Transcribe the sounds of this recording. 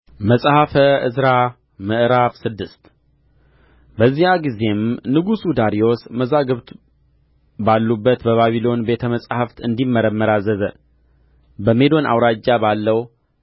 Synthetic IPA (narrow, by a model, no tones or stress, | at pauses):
məsʼhafəɨzɾa | mɨʔɾafsɨd̪ːɨst̪ | bəzːijaɡize̞mnɨɡusud̪aɾijo̞sməzaɡɨβt̪ | balːubːət̪bəβaβilo̞nbe̞t̪ʰəməsʼhəft̪ɨnd̪imːəɾəmːəɾazəzə | bəme̞d̪o̞nʔa̰wɾad͡ʒːabalːəw